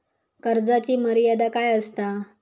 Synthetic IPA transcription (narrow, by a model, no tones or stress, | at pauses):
kəɾd͡zat͡ɕiːməɾijad̪akajəst̪a